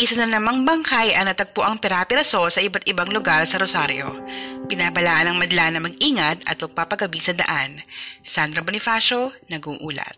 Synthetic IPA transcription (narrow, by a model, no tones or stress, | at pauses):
ʔɪsɐnɐnɐmɐŋbɐŋkajʔɐnɐt̪ɐɡ̚poʔɐŋpɛɾapɪɾɐso̞sɐʔɪbat̪ɪbaŋlʊɡaɾsɐɾosaɾjo̞̰pɪnaːbɐlaːʔɐnɐŋmɐd̪ɐlanɐmɐɡ̚iːŋɐt̪ɐ̰t̪̚mɐɡ̚paːpɐɡɐbisɐd̪ɐ̰ʔansand̪ɾɐbonɪfaʃo̞nɐɡuʔuːlɐ̰t̪̚